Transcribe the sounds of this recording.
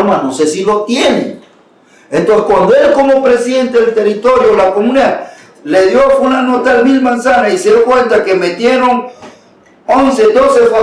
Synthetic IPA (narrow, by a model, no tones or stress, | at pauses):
manosesilot̪jenḛ | ent̪onse̥kwand̪oelkomopɾesiðent̪eðelt̪erit̪oɾjolakomũnea | leðjofunanot̪almilmãnsanaiseðjokwent̪akemet̪je̞ɾoŋ | onsed̪osefa